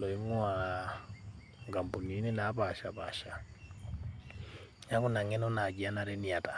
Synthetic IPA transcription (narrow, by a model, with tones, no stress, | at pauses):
lɔ˨i˦mu˦a | ŋɡa˨mbu˨ni˨˦nɛ˦na˨˦βa˨ʃa˨βa̰˨ʃa˨ | ɲa˦ku˦na˨ŋɛ˦nɔ˦na˨ɡi˨a˦na˦ɾɛ˦ni˨a˨ta˨